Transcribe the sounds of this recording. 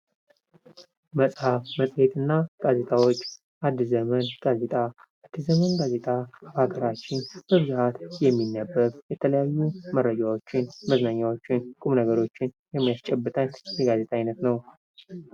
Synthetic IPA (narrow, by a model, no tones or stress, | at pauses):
məsʼhafməsʼhet̪ɨnːaɡ̥aze̞t̪ʼawo̞t͡ʃː | ʔad̪ːɨzəmənɡ̥aze̞t̪ʼaː | d̪ːɨzəmənɡaze̞t̪ʼabhaɡəɾat͡ʃːɪnb̥əβzuhat̪jɛmːinːəbːəɾjɛt̪ʰələjajːumərːəd͡ʒawo̞t͡ʃːɪnməznaɲːawo̞t͡ʃːɪnkʼumnəɡəɾo̞t͡ʃːɪnjɛmːajast͡ʃʼɛbːɨt̪ʼənjɛɡaze̞t̪ʼaajnət̪nəw